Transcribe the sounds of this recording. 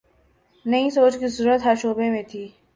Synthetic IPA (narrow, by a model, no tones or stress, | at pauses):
nɐĩsoːt͡ʃkizəɾuːət̪ɦɐɾʃoːbemẽt̪ʰiː